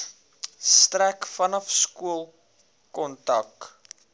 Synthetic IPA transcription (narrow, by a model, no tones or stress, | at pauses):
strækfɐnɐfskuəlˠ | kɔntɐk̚